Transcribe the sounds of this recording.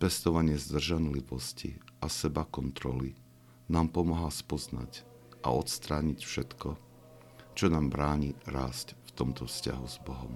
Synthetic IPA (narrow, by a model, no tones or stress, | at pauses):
pɛst̪ɔʋaɲɪɛzd̪r̩ʒanliʋɔscḭʔasɛbakɔnt̪ɾɔli | naːmpɔmaɦaspɔzna̰c | ʔa̰ɔt̪st̪ɾaːɲicfʃɛt̪kɔ | t͡ʃɔnaːmbɾaːɲiɾaːscft̪ɔmt̪ɔfsca̰ɦuzbɔɦɔm